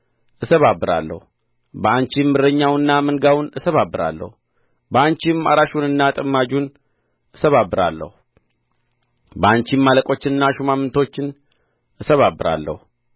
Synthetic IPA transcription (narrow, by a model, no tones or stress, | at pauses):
ʔɨsəβabːɨɾa̰lːə̰hu | bəant͡ʃimːɨɾəɲːawɨnːamɨŋɡawnɨsəβabːɨɾa̰lːə̰hu | bəant͡ʃima̰ɾaʃunɨnːat̪ʼəmːad͡ʒun | ʔɨsəβabːɨɾa̰lːə̰hu | bəant͡ʃimːaləkʼo̞t͡ʃːɪnɨnːaʃumamːɨnt̪ʰo̞t͡ʃːɪn | ʔɨsəβabːɨɾa̰lːə̰hu